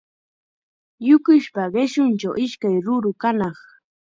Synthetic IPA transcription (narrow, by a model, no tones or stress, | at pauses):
jʊkʊʃpaɢɪʃʊnt͡ʃa̰wʔɪʃkajɾʊɾʊkanɑχ